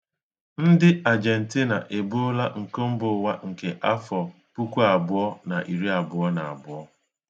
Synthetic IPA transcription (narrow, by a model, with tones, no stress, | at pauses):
n̩˦dɪ˦a˨d͡ʒe˨n̩˨ti˦na˨ʔe˨bʊ˦la˦ŋ̩˨ko˦m̩˦bʊ˨˦wa˦ŋ̩˨ke˨ʔa˦fɔ˨ | pu˦kʷu˦a˨bʊ˦ɔ˦na˨ʔi˨ɾi˦a˨bʊ˨˦ɔ˦na˨a̰˨bʊ˨˦ɔ˦